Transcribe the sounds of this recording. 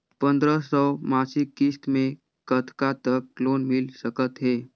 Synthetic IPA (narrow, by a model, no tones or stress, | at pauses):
pənd̪ɾəsɔmasikːist̪mẽ | kət̪ʰkat̪əklonmilsəkət̪ɦe